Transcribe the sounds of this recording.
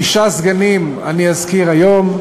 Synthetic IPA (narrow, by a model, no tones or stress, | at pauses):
iʃazɡanim | a̰niazkiʁajo̞m